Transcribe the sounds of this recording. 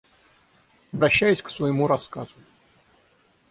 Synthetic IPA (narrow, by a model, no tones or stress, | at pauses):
ɐbɾɐɕːæjʊsʲksvɐjɪmuɾɐskaz̥ʊ